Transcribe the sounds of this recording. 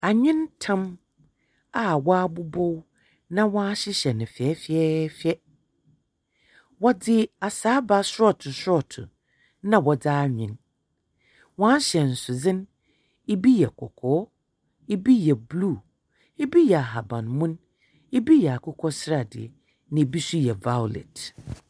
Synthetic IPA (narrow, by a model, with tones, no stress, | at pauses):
a˨ɲɪ̃˦ntʰã˦m | a˨wa˦a˦bʊ˦bɔ˦w | nã˦wɔ̃˦a˦ɕɪ˦ɕɛ˨nɪ̃˨fɪ˨ɛ˦fɛ˦fɪ˦ɛ˦ | wɔ˦dɪ˦a˨saː˨˦ba˦sʊ˦ɾɔ˦tʰʊ˨sʊ˦ɔ˦˨tʰʊ̰˨ | nã˦wɔ˨daː˦ɲᶣɪ̃˨n | wãː˦ɕɛ˨n̩˨sʊ˨zɪ̃˦n | e˦bi˦jɛ˨kʰɔ˨kʰɔː˨˦ | e˦bi˦jɛ˨bluː˦˨ | e˦bi˦jɛ˨a˨ɦa˨bã˨nmʊ̃˦n | e˦bi˦jɛ˨a˨kʰʊ˦kʰɔ˦sɾa˨dɪ̰˨ɛ̰˨ | nɪ̃˨e˨bi˦sʊ˦jɛ˨va˦ʊ˨lɛ̰˨t